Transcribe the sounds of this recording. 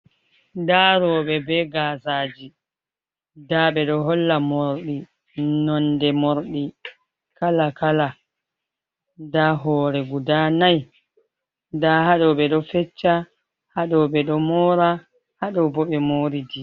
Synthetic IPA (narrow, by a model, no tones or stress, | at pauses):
daɾɔɓɛbɛɡaːsaːd͡ʒi | daɓɛɗɔɦɔlːamoɾɗi | nɔndɛmoɾɗi | kalakala | daɦɔːɾɛɡudanaj | dahaɗɔɓɛɗɔfɛt͡ʃːa | haɗɔɓɛɗɔmɔːɾa | haɗɔbɔɓɛmoːɾidi